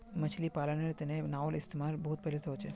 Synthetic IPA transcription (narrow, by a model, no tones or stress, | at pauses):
mɐt͡ʃʰlipaːlaneɾt̪ɪnẽnaːʊlɪst̪eːmaːɾbɔɦʊt̪̚pɛɦleseɦoːt͡ʃʰe